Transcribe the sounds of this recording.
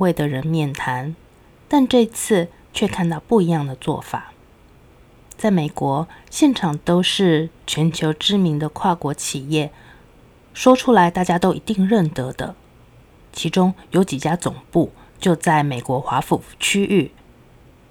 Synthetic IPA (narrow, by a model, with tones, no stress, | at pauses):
we˥˩ɪd̪ə˩ɻə˧˥nmjɛ˥˩nt̪ʰa˧˥n | t̪a˥˧nʈ͡ʂɤ˥˧i˥t͡sʰɹ̩˥˧ | t͡ɕʰɥɛ˥˧kʰa˥˧nt̪ɑ˥˧ʊpu˥˩i˧˥jɑ˥˩ŋd̪ə˩t͡swɔ̰˥˩fa̰˨˩˦ | t͡sa˥˩ɪme˨˩ɪkwɔ˧˥ɕjɛ˥˩nʈ͡ʂʰɑ˨˩ŋt̪o˥ʊʂɻ̩˥˩t͡ɕʰɥɛ˧˥nt͡ɕʰjo˧˥ʊʈ͡ʂɻ̩˥mi˧˥ŋd̪ə˧kʰwa˥˩kwɔ˧˥t͡ɕʰi˨˩jɛ˥˩ | ʂwɔ˥ʈ͡ʂʰu˥la˧˥ɪt̪a˥˩t͡ɕja˥t̪o˥ʊʔi˧˥t̪i˥˧ŋɻə˥˩nt̪ɤ˧˥d̪ə̰˧ | t͡ɕʰi˧˥ʈ͡ʂʊ˥ŋjo˧˥ʊt͡ɕi˨˩t͡ɕja˥t͡sʊ˨˩ŋpu˥˩ | t͡ɕjo˥˧ʊt͡sa˥˩ɪme˨˩ɪkwɔ˧˥xwa˧˥fu˨˩t͡ɕʰy˥ʔy˥˩